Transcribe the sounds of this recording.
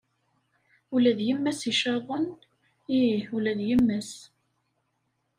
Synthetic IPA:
ulæðjəmːæsiʃɑðˤən | iulæðjəmːəs

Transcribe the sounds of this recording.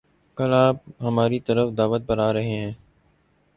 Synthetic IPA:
kəlaːp̚ɦəmaːɾit̪əɾəfd̪aːʋət̪̚pəɾaːɾɐɦeɦɛ̃ː

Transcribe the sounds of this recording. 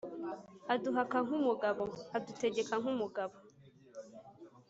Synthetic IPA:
aduɦakaŋ̥umuɡaβoadute̞ɟe̞kaŋ̥umuɡaβo

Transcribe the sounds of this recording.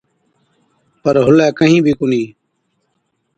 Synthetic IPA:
pəɾɦʊlɛːkəɦĩːbʱiːkʊnĩː

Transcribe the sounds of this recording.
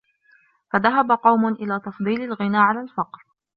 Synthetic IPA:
faðaɦabaqɑwmʊʔɪlaːt̪ɑfd̪ˤiːlalɣɪnaːʕalalfɑqɾ

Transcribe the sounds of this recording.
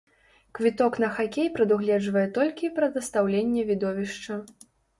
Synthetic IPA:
kvʲit̪ɔkn̪ɐxakʲejpɾɐd̪uɣlʲɛd͡ʐvɐjɛt̪ɔlʲkʲipɾɐd̪ɐst̪awlʲenʲːɛvʲid̪ɔvʲiʂt͡ʂɐ

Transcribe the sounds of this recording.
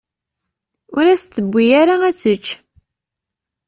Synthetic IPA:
ʊɾæst̪ːəbʷːijæɾaæt͡sːət͡ʃː

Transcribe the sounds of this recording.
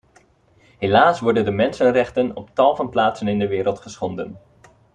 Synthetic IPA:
ɦelaːsʋɔɹdəndəmɛnsənrɛχtənɔptɑlˠvənplaːtsənɪndəʋɪːɾəlˠtχəsχɔndən

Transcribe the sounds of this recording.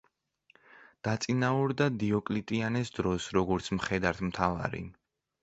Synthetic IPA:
d̪̥at̪sʼinauɾd̪ad̪iɔkʼlit̪ʼianɛsd̪ɾɔsɾɔɡɔɾt̪sʰmχɛd̪aɾt̪ʰmt̪ʰava̰ɾḭ

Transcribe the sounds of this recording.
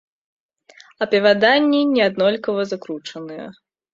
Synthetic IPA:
ɐpʲɛvʲad̪anʲːinʲɛad̪nɔlʲkɐvɐzakɾut͡ʂɐnɨjɛ̰

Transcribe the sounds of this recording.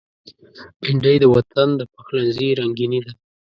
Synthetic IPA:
pɪɳɖəjd̪əwat̪ʰand̪əpaxlanziɾaŋɡinid̪a

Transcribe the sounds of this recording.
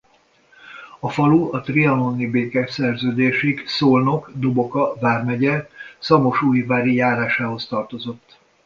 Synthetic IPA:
ɒfɒluɒt̪riɒnonibeːkɛsɛrzøːd̪eːʃiksoːlno̞kd̪obo̞kɒvaːrmɛɟɛsɒmo̞ʃuːjvaːɾijaːɾaːʃaːɦo̞st̪ɒrt̪o̞zo̞t̪ː

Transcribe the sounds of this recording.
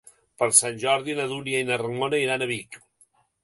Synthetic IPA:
pəɾsanʲʒɔɾðinəðuɾiainərəŋonəiɾanəβik

